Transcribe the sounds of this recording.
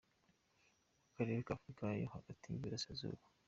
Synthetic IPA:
akaɾeɾekafɾikajohaɡatiːmbiɾasazo̰ːβa

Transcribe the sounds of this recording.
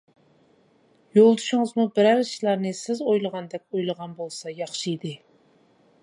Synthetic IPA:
jolˠd̪uʃɪŋɨzmubɪɾæɾʃlˠɑɾnɨsɪzojlˠəʁɑnd̪ɛk̚ʲojlˠəʁɑnbolˠsɑjɑχʃijd̪ɨ

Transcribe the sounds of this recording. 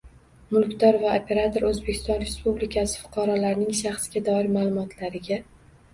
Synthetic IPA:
mʊlˠkʲt̪ʰɒɾvaopʰe̞ɾat̪ʰoɾɵzbe̞kʲʰɪ̥st̪ɒnɾe̞spublikʲʰasɪ̥fʊ̥qʰɑɾɒlaɾnɪŋʃaχsɡʲad̪ɒɪɾmaːlˠʊmɒt̪ʰlaɾɪɡʲa

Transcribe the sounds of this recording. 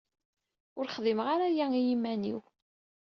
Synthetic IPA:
ʊɾχðˤɪmʁaɾæjæijimːænḭw

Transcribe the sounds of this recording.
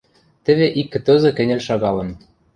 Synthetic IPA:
t̪ɘ̆βeʔikːɘ̆t̪ɤ̆zɤ̆kɘ̆nʲɘ̆lʲʃɑɣɑlɤ̆n

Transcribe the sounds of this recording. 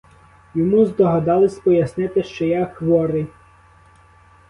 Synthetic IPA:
jɔmuzd̪ɔɦɐd̪ɑlˠɪsʲpɔjɐsnɪt̪ɪʃt͡ʃɔjaxʋɔɾɪ

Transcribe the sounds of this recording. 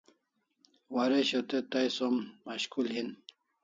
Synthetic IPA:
waɾeɕot̪et̪ajsomːaɕkulɦin

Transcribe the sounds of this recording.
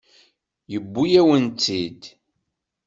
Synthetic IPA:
jəbːujæwənt͡s̪ːid̪

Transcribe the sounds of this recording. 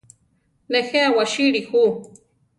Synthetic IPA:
nexeawaʃiɾixu

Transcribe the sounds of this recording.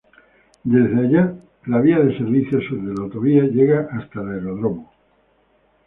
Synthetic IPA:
d̪e̞zðeaʎa | laβiaðe̞se̞ɾβiθjosðelawt̪o̞β̞iaʝe̞ɣaʔast̪aleɾoðɾoma

